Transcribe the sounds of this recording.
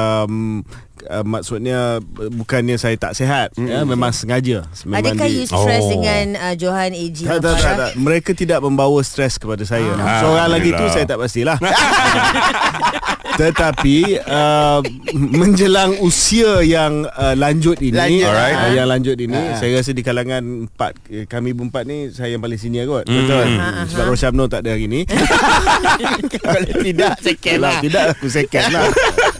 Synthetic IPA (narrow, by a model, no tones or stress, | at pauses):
əm | əmaksʊt̪̚ɲəbukanɲasajat̪a̰ʔseɦat̪̚jəmẽmãŋsəŋad͡ʒəmẽmãŋkajusɛsdəŋanəd͡ʒoɦaned͡ʒit̪at̪at̪at̪aməɾekat̪idaʔ̚mə̃mbawəst̪ɾɛskəpadasajasoɾaŋlaɡiusajat̪aʔpas̬t̪ilah | t̪ət̪apiə | mə̃ɲd͡ʒəlaŋusiajaŋəlaɲd͡ʒʊt̪inijaŋlaɲd͡ʒʊt̪̚inĩsajəɾas̬ədikalaŋãnmpa̰t̪̚kamĩbumpat̪̚nisajajaŋpalɪŋsiniəɡɔt̪̚bət̪osədapɾosam̚not̪aʔdəaɡinĩ | lt̪idaseklat̪idaʔbəs̬ɛkənlah